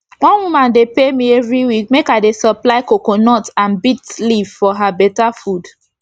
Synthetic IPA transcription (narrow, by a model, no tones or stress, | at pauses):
wɔ̃nwumãndepemiɛvɹiwik̚mekaɪdesɔplaɪkokonɔtãnbitlivfɔɦabɛtafud